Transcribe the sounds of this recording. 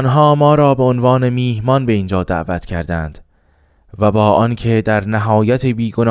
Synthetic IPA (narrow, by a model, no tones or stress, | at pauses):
nɦɒːmɒːɾɒːbe̞onvɒːne̞miːhmɒnbe̞iːnd͡ʒɒːd̪æ̰ʔvæt̪ʰcʰæɾd̪ænd̪̥ | væbɒːʔɒncʰe̞d̪æɾnæɦɒːjæt̪ʰebiːɡon